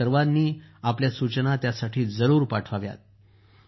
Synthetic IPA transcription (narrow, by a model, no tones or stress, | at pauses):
əɾʋad̪niːapljasut͡ɕənat̪jasaʈʰiːd͡zəɾuːɾpaʈʰʋaʋja̰t̪̚